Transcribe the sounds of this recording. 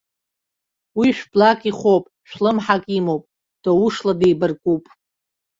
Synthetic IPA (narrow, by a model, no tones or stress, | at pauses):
wiʃᶣblakʼiχʷopʼʃᶣlɨmħakʼimowpʼ | d̥ouʂladejbɨrkʼupʼ